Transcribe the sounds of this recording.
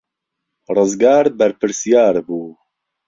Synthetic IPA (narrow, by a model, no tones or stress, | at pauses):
rɨzɡaːɾbɛɾpɨɾsijaːɾbuː